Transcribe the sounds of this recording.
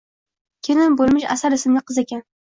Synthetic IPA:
kʲʰenɪmbolˠmɪʃa̰saɾɪsɪmnɪqʰɨzekʲan

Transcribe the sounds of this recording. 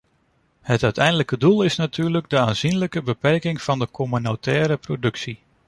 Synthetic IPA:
hətœɥtɛjndələkədulˠɪsnatʰyːɹləɡdəaːnz̥inləkəbəpɛrkɪŋfɑndəkʰomynotʰɛːɾəprodɵksi

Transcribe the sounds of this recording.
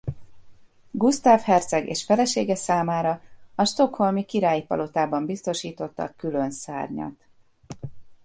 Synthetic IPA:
ɡust̪aːfhɛrt̪sɛɡḛːʃfɛlɛʃeːɡɛsaːmaːɾɒɒʃt̪o̞kho̞lmikiɾaːjipɒ̰lo̞t̪aːbɒmbist̪o̞ʃiːt̪o̞t̪ːɒ̰kylønsa̰ːrɲɒ̰t̪

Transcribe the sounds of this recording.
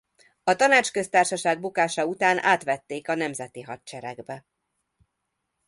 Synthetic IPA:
ɒt̪ɒnaːt͡ʃkø̞st̪aːrʃɒʃaːɡ̚bukaːʃɒut̪aːnʔa̰ːt̪ʋɛt̪ːeːkɒnɛmzɛt̪iɦɒt̪t͡ʃɛɾɛ̰ɡbɛ

